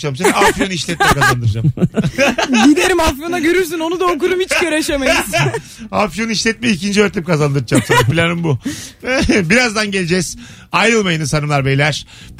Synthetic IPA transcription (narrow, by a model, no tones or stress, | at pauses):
t͡ʃʰamsaafjoniʃlʲɛt̪̚mɛkaaand̪ɯɾɯd͡ʒam | ɟid̪eɾimafjonaɟø̞ɾyɾs̬yno̞nud̪aokuɾumhit͡ʃʲø̞ɾeʃemejiz | afjo̞niʃlʲɛt̪̚mɛicʰind͡ʒiøɾt̪ʰɛp̚kʰazand̪ɯɾɯd͡ʒamsapʰilʲanɯmbu | biɾazd̪anɟelʲed͡ʒɛz̥ | ajɯlˠmajɯnɯsanɯmlˠaɾbejlʲæɾ̥